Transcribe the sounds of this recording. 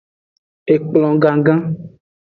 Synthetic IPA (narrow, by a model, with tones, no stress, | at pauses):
e˨k͡plɔ̃˨ɡã˨ɡã˦